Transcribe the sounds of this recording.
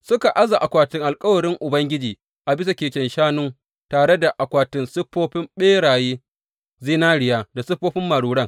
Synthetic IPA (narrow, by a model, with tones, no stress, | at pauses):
sʊ˦ka˨ʔa˦za˨ʔa˨kʷaː˨tɪ˦ŋʔa˨lkʼɐ˦wɐ˨ɽɪ˦ŋʔʊ˨bɐ˦ŋɡʲɪ˦d͡ʒiː˨ | ʔa˨bɪ˦s̬a˨kʲeː˨kʲɛ˨nʃaː˦nʊ˦ŋ | taː˨ɽe˦da˨ʔa˨kʷaː˨tɪ˦nsɪ˦ɸːoː˦ɸɪ˦mɓeː˦ɽaː˨jeː˦ | ziː˦naː˦ɽɪ˨jaː˦da˨sɪ˦ɸːoː˦ɸɪ˦mːa˨ɽuː˨ɽɐ˦˨ŋ